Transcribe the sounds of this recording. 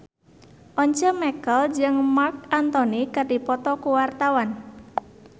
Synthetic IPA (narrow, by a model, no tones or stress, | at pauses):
ʔɔɲt͡ʃɔmɛkəld͡ʒəŋmark̚ant̪ɔnikardipɔt̪ɔkuwart̪awan